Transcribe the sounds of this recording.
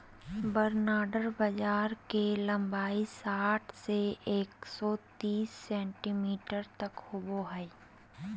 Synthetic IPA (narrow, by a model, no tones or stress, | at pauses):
bəɾnaːɖəɾbɐd͡ʒaːɾkelɐ̃mbaːisaːʈʰseeːksɔt̪iːsːɛ̃ːɳʈimiːʈəɾt̪ɐkhʊboɦɛː